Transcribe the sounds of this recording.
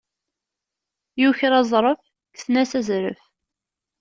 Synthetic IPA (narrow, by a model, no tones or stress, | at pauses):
juçɾɑzˤɾˤəf | kθnæsæzɾə̰f